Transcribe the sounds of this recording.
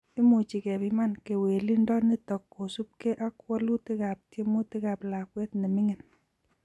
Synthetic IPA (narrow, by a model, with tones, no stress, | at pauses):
i˦mo˨t͡ʃi˨kɛ˨bi˦ma˦nke˨we˨li˦ndɔ˦ni˦tɔ˨kːo˨su˦p̚ke˦ʔa˦kwɔ˦lu˦ti˦ka˨p̚tje˦mo˦ti˦ka˨pla˨kwe˦tni˨mɪ˦ŋɪ˨n